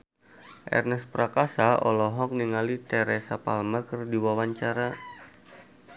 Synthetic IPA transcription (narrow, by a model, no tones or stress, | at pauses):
ʔɛ̰rnɛspɾakasaɔ̰lɔɦɔk̚niŋalit̪ɛɾɛsapa̰lmakərdiwawaɲt͡ʃaɾa